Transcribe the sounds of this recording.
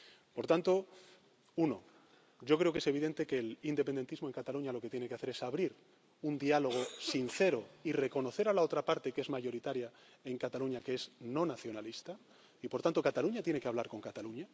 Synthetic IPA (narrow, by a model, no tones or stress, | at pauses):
po̞ɾt̪ant̪o̞ | uno̞ | ɟ͡ʝo̞kɾe̞okese̞β̞iðe̞nt̪e̞ke̞lind̪epend̪e̞nt̪izmo̞e̞ŋkat̪aluɲalo̞ke̞t̪jene̞keaθe̞ɾe̞saβ̞ɾiɾ | und̪ialo̞ɣ̞o̞sinθe̞ɾoire̞ko̞no̞θe̞ɾalao̞t̪ɾapaɾt̪e̞ke̞zmaʝo̞ɾit̪aɾja | e̞ŋkat̪aluɲakeesnõ̞naθjo̞nalist̪a | ipo̞ɾt̪ant̪o̞kat̪aluɲat̪je̞nekeaβlaɾko̞ŋkat̪aluɲa